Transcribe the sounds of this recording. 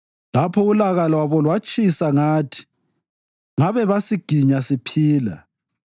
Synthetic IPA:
lapʰɔulaɣalɔwaβɔlwat͡ʃʼisaŋaːtʰi̥ | ŋaβɛβasiɡ̥ʱiɲasipʰiːla̰

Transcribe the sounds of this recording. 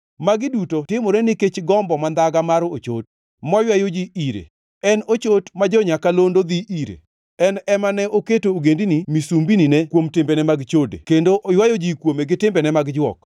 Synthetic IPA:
maɡɪdutotɪmoɾɛnɪket͡ʃɡɔmbɔmand̪aɡamaɾot͡ʃo̰t̚ | mɔjwajod͡ʒiiɾḛ | ɛnot͡ʃotmad͡ʒɔɲakalondod̪iʔiɾḛ | ɛnɛmanɛʔoketooɡendinimisumbininɛkwomtɪmbenɛmaɡt͡ʃodḛkendoʔjwajod͡ʒikwomeɡɪtɪmbɛnɛmaɡd͡ʒwɔ̰k

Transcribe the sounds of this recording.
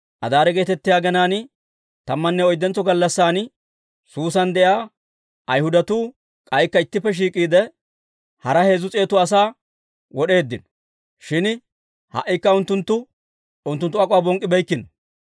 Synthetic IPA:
ʔɐd̪aːɾɛɡe̞ːt̪ɛt̪ːɪjaːɡɛnaːn | t̪ɐmːɐnːɛɔjd̪ːɛnt͡sːɔɡɐlːɐsːaːn | suːsɐnd̪ɛjaː | ɐjhʊd̪ɐt̪uː | kʼɐjkːɐɪt̪ːɪpːɛʃ̬iːkʼiːd̪ɛ | hɐɾɐhe̞ːzʊt͡sʼe̞ːt̪ʊɐs̬aː | wɔɗe̞ːd̪ːɪn | ʃɪn | hɐ̰ʔːɪkːɐʊnt̪ːʊnt̪ːʊ | ʊnt̪ːʊnt̪ːʊɐkʼʊwaːbɔŋkʼːɪbɛjkːɪn

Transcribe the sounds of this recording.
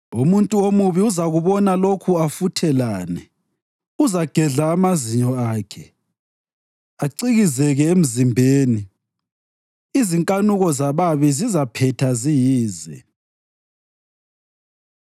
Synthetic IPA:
umuntʼuomuβiuzaɣuβɔnalokʰuafutʰɛlaːnɛ | uzaɡ̥ʱɛɮaːmaziɲɔaːkʰɛ | aǀiɣizɛɣɛem̩zimbʱeːni | iziŋkʼanuɣɔzaβaβizizapʰɛtʰazijiːzɛ̰

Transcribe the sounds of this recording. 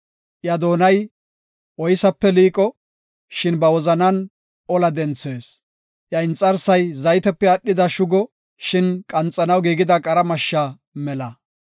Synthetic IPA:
ʔjɐd̪o̞ːnɐj | ʔɔjsɐpːɛliːkʼɔ | ʃɪnbɐwɔzɐnɐn | ɔlɐd̪ɛnt͡sːe̞ːs | ʔjɐɪnt͡sʼːɐɾsɐjzɐjt̪ɛpːɛɐɗːɪd̪ɐʃʊɡɔ | ʃɪnkʼɐnt͡sʼːɐnɐwɡiːɡɪd̪ɐkʼɐɾɐmɐʃːa | mɛlɐ

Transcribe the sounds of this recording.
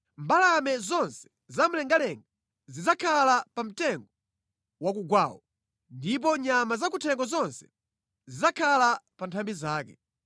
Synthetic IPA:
mbalamɛzɔnsɛ̥ | zam̩lɛŋɡalɛŋɡa | zizakʰalapam̩tɛŋɡɔ | wakuɡwaːwɔ | ndip̬ɔɲamazakutʰɛŋɡɔzɔnsɛ̥ | zizakʰalapantʰambizaːkɛ̰

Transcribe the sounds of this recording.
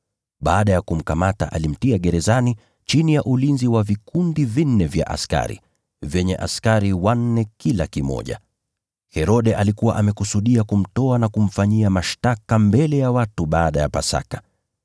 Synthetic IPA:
ɓaːɗajakum̩kamata̰ʔalim̩tiaɠɛɾɛzani | t͡ʃinijaʔulinziwavikundivin̩ːɛvja̰ʔa̰ska̰ɾḭ | vjɛɲɛʔa̰skaɾiwan̩ːɛkilakimɔ̰ʄa̰ | hɛɾɔɗɛʔalikuwa̰ʔamɛkusuɗiakum̩tɔanakum̩faɲiamaʃtakambɛlɛjawatuɓaːɗajapasa̰kḁ

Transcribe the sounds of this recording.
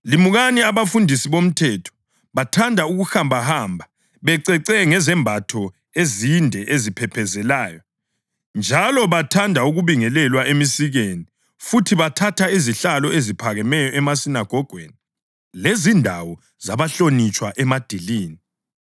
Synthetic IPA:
limuɣaniaβafundʱisiβom̩tʰɛtʰɔ̥ | βatʰandʱauɣuxambʱahaːmbʱa | βɛǀɛǀɛŋɛzɛmbʱatʰɔ | ezindʱɛʔezipʰɛpʰɛzɛlaːjɔ | nd͡ʒʱalɔβatʰandʱauɣuβiŋɛlɛlwaʔemisiɣeni | futʰiβatʰatʰaiziɬalɔezipʰaɣɛmɛjɔʔɛmasinaɡ̥ʱɔɡ̥ʱwḛni | lezindʱawɔ | z̥aβaɬonit͡ʃʼwaʔɛmad̥ʱiliːni

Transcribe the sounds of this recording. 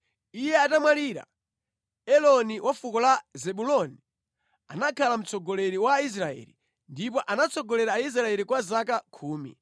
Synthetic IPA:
ijɛatamwaliːɾa̰ | ɛlɔniwafukɔlazɛɓulɔni | a̰nakʰalam̩t͡sʰɔɡɔlɛɾiwais̬ɾaɛ̰li | ndipɔʔanat͡sʰɔɡɔlɛɾaːis̬ɾaɛlikwazakakʰuːmḭ

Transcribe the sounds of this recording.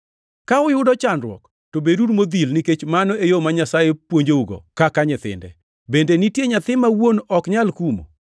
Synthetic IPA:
kaʊjʊdɔt͡ʃanɾwɔ̰k | tobedudmod̪ilniket͡ʃmanɔejomaɲasajepwoɲd͡ʒeuɡɔ̰kakaɲɪt̪ɪ̰ndɛ̰ | bendenitjeɲat̪ɪmawonɔkɲalkumo̰

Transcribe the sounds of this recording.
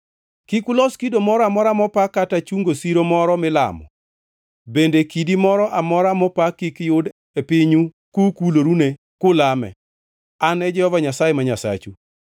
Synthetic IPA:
kikʊlɔskidomɔɾɔamɔɾamɔpakːatat͡ʃuŋɡosiɾomɔɾɔmɪla̰mɔ̰ | bendekidimɔɾɔʔamɔɾamɔpakːikjʊd | epɪɲu | kukuloɾune | kʊlamɛ̰ | anɛd͡ʒɛhɔvaɲasajemaɲasa̰t͡ʃu

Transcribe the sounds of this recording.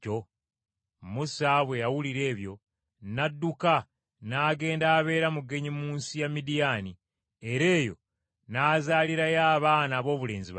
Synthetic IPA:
o | musaβwe̞jawuliɾe̞ːβjo̞ | nadːuka | naːɡe̞ːndaːβe̞ːɾamuɡe̞ɲimuːnsijamidijaːni | e̞ɾe̞ːjo̞̰ | naːzaːliɾajaːβaːnaːβo̞ːβule̞ːnziβ

